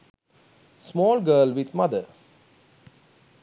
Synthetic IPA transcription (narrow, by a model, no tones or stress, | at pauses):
smɔːlɡəːlʋid̪mad̪ə